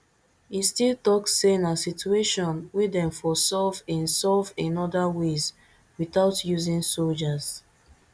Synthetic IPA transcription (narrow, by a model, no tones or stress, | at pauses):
histilˠtɔksenasitueʃɔ̃nwidɛ̃ɱfɔsɔvɛ̃nsɔvĩnɔdawez | wiθaʊtjuzĩŋsold͡ʒaz̥